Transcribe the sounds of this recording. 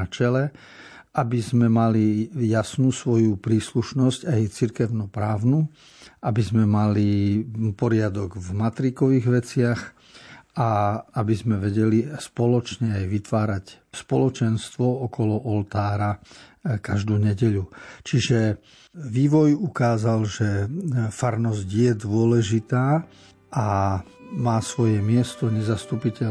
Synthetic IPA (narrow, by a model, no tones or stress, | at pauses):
at͡ʃɛlɛ | ʔabizmɛmalijasnuːsʋɔjupɾiːsluʃnɔzcajt͡siɾkɛʊnɔpɾaːʊnuː | ʔabizmɛmalipɔɾɪad̪ɔɡvmat̪ɾikɔʋiːɣʋɛt͡sɪax | aabizmɛʋɛɟɛlispɔlɔt͡ʃɲɛajʋit̪ʋaːɾac | spɔlɔt͡ʃɛnst̪ʋɔɔkɔlɔʔɔlt̪aːɾakaʒd̪uːɲɛɟɛʎut͡ʃiʒɛ | ʋiːʋɔjukaːzalʒɛfaɾnɔzɟjɛd̪ʋʊɔlɛʒit̪aː | ʔa | maːsʋɔjɛmɪɛst̪ɔɲɛzast̪upicɛ